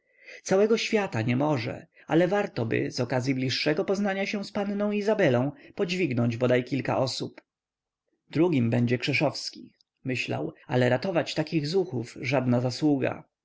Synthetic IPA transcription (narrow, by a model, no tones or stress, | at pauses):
t̪sawɛɡɔɕfʲjat̪aɲɛmɔʐɛ̰ | alɛvaɾt̪ɔbɘ̰zɔkazʲjiblʲiʂːɛɡɔpɔznaɲaɕɛ̃spannɔ̃w̃izabɛlɔ̃w̃pɔd͡ʑvʲiɡnɔɲd͡ʑbɔd̪ajkʲilka̰ʔɔsup | d̪̥ɾuɡʲimbɛɲd͡ʑɛkʂɛʂɔfskʲi | mɘɕla̰wa̰lɛɾat̪ɔvat͡ɕt̪akʲiɣzuxufʐad̪nazaswuɡa̰